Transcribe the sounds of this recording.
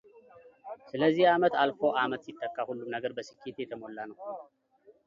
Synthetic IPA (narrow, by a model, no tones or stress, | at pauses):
sɨləzːihamət̪alfo̞ʔamət̪sit̪ʼːəkʼːahulːumnəɡəɾbəsɨ̥kːet̪jɛt̪ʰəmo̞lːanəw